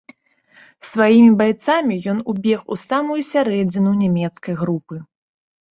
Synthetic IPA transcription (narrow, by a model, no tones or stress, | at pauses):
svajimʲibajt̪samʲijɔnubʲɛxusamujusʲaɾɛd͡zʲinunʲamʲɛt̪skɐjɣɾupɨ